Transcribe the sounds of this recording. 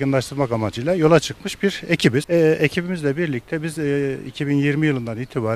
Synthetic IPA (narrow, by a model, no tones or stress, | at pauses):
ɡɯnlˠaʃt̪ʰɯɾmakamad͡ʒɯjlˠajo̞lˠat͡ʃʰɯkmɯʃbiɾe̞cʰibiz̥ɛʔecʰibimizlʲɛbiɾlʲic̚t̪ʰɛbizḭcʰibinjiɾmijɯlˠɯnd̪aniːt̪ʰibaːɾ